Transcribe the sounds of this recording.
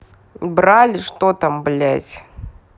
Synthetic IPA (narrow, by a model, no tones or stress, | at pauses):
bɾalʲɪʂt̪ot̪amblʲæzʲ